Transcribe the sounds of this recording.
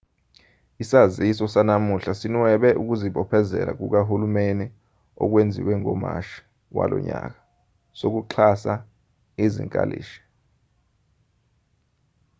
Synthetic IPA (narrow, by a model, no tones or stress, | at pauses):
isazisɔsanamuɬasinwɛɓɛʔuk̬uziɓɔpʰɛzɛla̰k̬uk̬aɦulumeni | ɔk̬wend͡zʱiwɛŋɔma̰ʃi̥ | wa̰lʔɔ̰ɲak̬ḁ | sok̬uǁʰasa | izḭŋkʼa̰lḭːʃɛ̥